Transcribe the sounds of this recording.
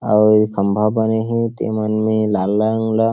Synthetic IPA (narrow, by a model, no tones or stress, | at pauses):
awkʰɐmbʱabɐneɦĩt̪ḛmanmelalːaŋla